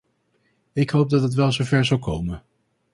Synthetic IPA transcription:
ɪkɦowp̚dɑtɦətʋɛlˠzowvɛɹzɑlˠkowmən

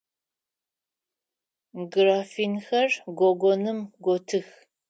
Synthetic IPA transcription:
ɡraːfinxɐrɡʷɔɡʷɔnɨmɡʷɔtʰɨx

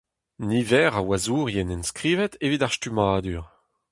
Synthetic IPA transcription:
nivɛːʁawazuːʁijɛnɛnskʁiːvɛtʰevidaʁstymaːd̪yːʁ

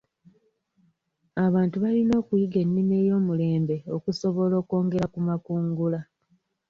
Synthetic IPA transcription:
aβaːntuβalino̞ːkujiɡe̞nːimeːjo̞ːmule̞ːmbe̞o̞kuso̞βo̞lo̞ːko̞ːŋɡe̞ɾakumakuːŋɡula

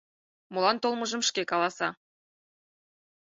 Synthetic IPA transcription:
mulɑnt̪olˠmɤ̆ʒə̆mʃkekɑlˠɑsɑ

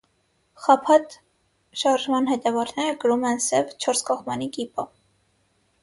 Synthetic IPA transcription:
χɑpʰɑt̪ | ʃɑɾʒmɑnɦɛt̪ɛvɑɾnɛɾəkəɾumɛnsɛvt͡ʃʰɔɾskɑχmɑnikipə

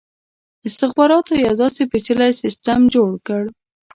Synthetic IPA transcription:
ɪst̪ɪxbɑɾɑt̪ojawd̪ɑsepet͡ʃəlajsɪstamd͡ʒoɽkəɽ

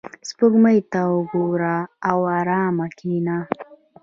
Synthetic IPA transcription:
spʊɡməjt̪awʊɡoɾaːwɑːɾɑːmakina

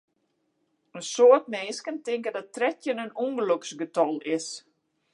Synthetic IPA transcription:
ənsoətmeːskəntɪŋkəndɔt̚trɛtjənənuŋɡəløksɡətɔlˠɪs

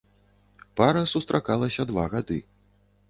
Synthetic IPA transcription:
paɾɐsust̪ɾʔakalˠɐsʲɐd̪vaɣad̪ɨ

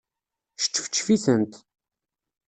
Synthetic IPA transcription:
ʃə̥t͡ʃːfə̥t͡ʃːfiθənt̪

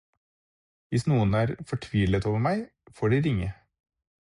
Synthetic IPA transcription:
ʋɪsnuːənæːɾfɔʈʰʋiːlət̪oːʋəɾmæɪ | foːɖɪɾɪŋːə

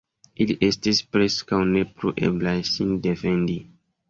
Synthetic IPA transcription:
iliʔe̞stispɾe̞skawne̞pluʔe̞̰blasinde̞fe̞ndi

